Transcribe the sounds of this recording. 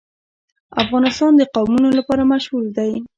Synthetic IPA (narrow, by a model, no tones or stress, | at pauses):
afɣɑnɪst̪ɑnd̪əqawmunolapɑɾamaʃɣuld̪aj